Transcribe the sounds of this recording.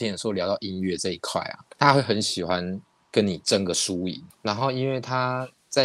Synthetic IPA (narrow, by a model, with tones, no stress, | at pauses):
ʂljɑ˧˥ɑ˥˨˩ʊi˦˥nɥɛ˥˧ʈ͡ʂɤ˥˧i˦˥kʰwa̰˥˩ɪɐ̰˨˩t̪ʰa˦xwe˥˩ɪxə˧˦nɕi˨˩xwa˦n | kə˧˦˥nni˨˩ʈ͡ʂə˥˧ŋɡə˩ʂu˦i˨˩˦na˧˦nxo˥˧ʊi˦˥nwe˥˩ɪt̪ʰa˥ | t͡sa˥˩